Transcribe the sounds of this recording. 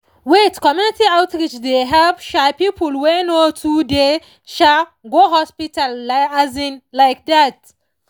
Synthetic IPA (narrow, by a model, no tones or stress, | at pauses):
wetkɔmjunitiawtɾit͡ʃdeɦavʃapipulwɛnotʰude | ʃaɡoɦɔspitalaazĩnlaɪk̚ðat